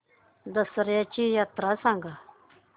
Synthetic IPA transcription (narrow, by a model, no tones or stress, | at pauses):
d̪əsəɾjat͡ʃijaːt̪ɾasãːŋɡa